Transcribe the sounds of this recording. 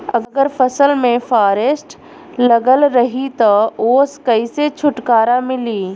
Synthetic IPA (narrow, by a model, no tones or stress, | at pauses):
ɐɡɡəɾpəsəlmẽfʰaːɾeːsʈ | lɐɡəlɾɐɦit̪ɐoːskəiset͡ʃʰʊʈkaːɾamɪliː